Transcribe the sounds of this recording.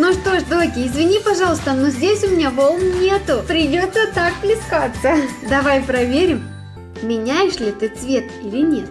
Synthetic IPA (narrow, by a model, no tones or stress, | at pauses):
nuʂt̪o̞ʂd̪okʲɪɪzvʲɪnʲipɐʐɑlˠəst̪ənozʲdʲesʲʊmʲɪnʲavolˠnnʲe̞t̪ʊpɾʲɪdʲot̪sət̪ak̚plʲɪskat̪səd̪ɐvajpɾɐvʲeɾʲɪm | mʲɪnʲæjɪʂlʲɪt̪ɨt̪svʲe̞t̪ilʲɪnʲe̞t̪̚